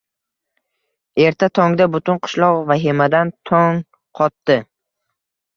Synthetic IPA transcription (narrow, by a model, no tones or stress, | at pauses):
e̞ɾt̪ʰat̪ʰɒŋd̪abʊt̪ʊnqʰʊ̥ʃlˠɒqvaɦimad̪ant̪ʰɒŋ | qʰɒt̪ːɪ